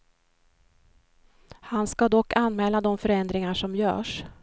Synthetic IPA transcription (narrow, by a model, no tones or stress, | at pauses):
hanskad̪ɔkːanːmɛːlad̪ɔmfœɾɛnd̪ɾɪŋaʂɔmjœ̰ːʂ